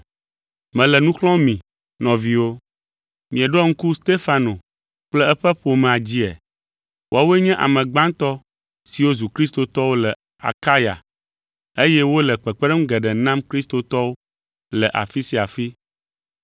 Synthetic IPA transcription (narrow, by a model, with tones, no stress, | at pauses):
mɛ̃˨lɛ˨nũ˦xlɔ̃˦mĩ˨ | nɔ̃˨vi˨wo˦ | mĩ˨ɛ̃˨ɖɔ˦ŋ̩˦ku˦st̪e˦fa˨no˨ | k͡plɛ˦ɛ˦ɸɛ˦ɸo˨mɛ̃˨a˨d͡ʑi˦ɛ̰˨ | wʔa˦wo˦e˦ɲɛ̃˦ʔa̰˨mɛ̃˨ɡ͡bã˦ŋt̪ɔ˦ | si˨wo˦zu˨kɾi˦st̪o˨t̪ɔ˦wo˦lɛ˨ | a̰˨ka˦ja̰˨ | e˦jɛ˦wo˦lɛ˨k͡pɛ˨k͡pɛ˦ɖɛ˦m̩˦ɡɛ˨ɖɛ˨nã˦mkɾi˦st̪o˨t̪ɔ˦wo˦ | lɛ˨ʔa̰˨fi˦si˨a˨fi˦